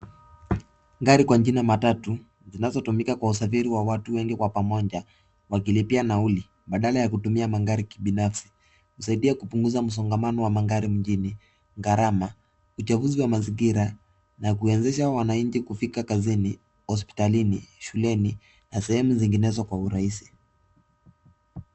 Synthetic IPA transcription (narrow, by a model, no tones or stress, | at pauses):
ŋɡaɾikwaɲd͡ʒinamatatu | zinazɔtumikakwausafiɾiwawatuwɛŋɡikwapamɔɲd͡ʒa | wakilipianauli | ɓaɗalajakutumiamaŋɡaɾikiɓinafsi̥ | husaiɗiakupuŋɡuzam̩s̬ɔŋɡamanɔwamaŋɡaɾim̩d͡ʒini | ŋɡaɾama | ut͡ʃavuziwamaziŋɡiɾa | nakuɛnzɛʃawanaɲ̩t͡ʃikufikakazini | hɔs̬pi̥taliniʃulɛni | nasɛhɛmuziŋɡinɛzɔkwauɾaisi̥